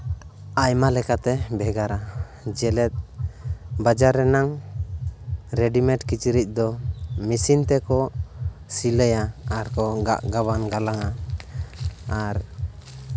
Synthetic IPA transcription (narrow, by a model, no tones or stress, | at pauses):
ajmalɛkat̪ɛbɛɡaɾa | d͡ʒɛlɛt̪̚ | bad͡ʒaɾːɛnaŋ | ɾɛɖimɛʈkit͡ʃiɾic̚ˀd̪ɔmisint̪ɛkɔ | siləjaaɾkɔɡa̰ʔɡaβanɡalaŋa | aɾ